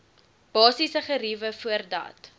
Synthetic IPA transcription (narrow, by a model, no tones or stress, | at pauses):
b̥ɑːsisəχəɾivəfuərdɐ̰t